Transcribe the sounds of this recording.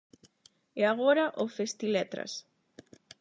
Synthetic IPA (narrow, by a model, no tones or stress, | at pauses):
eaɣoɾɐʔofest̪ilɛt̪ɾɐ̰s